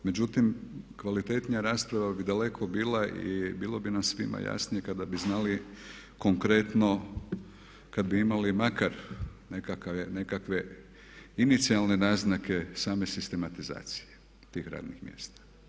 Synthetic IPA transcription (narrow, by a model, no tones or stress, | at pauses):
me̞d͡ʒut̪imkʋalit̪e̞ːt̪nijaɾaːspɾaʋabid̪ale̞kʰo̞biːlˠaʔḭbiːlˠobinasʋḭma̰ja̰snije̞kad̪abiznaːli | ko̞ŋkɾe̞t̪no̞ | kad̪biimalimakaɾnekakene̞kakʋe̞ | init̪sialne̞naːznake̞saːme̞sist̪e̞mat̪iza̰ːt̪si̥je | t̪iːxɾa̰ːd̪nixmjḛst̪ḁ